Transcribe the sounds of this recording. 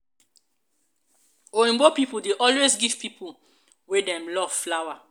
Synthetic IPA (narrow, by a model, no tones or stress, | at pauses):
oĩmbopipuldeʔɔlwezɡiv̥pipʰu | wedɛ̃mlɔv̥flawa